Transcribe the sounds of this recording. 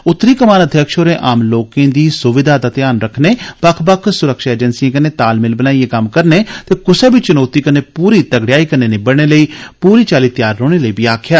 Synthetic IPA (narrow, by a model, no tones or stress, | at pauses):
ʊt̪ːɾiːkəmaːnəd̪ʱjəkʃoːɾẽːʔaːmloːkẽːd̪iːsʊʋɪd̪ʱaːd̪aːt̪ɪjaːnɾəkʰneːpəkʰpəkʰsʊɾəkʃaːeːd͡ʒənsiãːk̬əneːt̪aːlmɪlbənaːieːkəmkəɾneːt̪eːkʊseːbit͡ʃʊnoːt̪iːkəneːpuːɾiːt̪əɡɽɪjaːiːkəneːnɪːbəɽɽ̃eːləiːpuːɾiːt͡ʃaːliːt̪jaːɾːoːɽ̃eːləiːbiːaːkʰjaː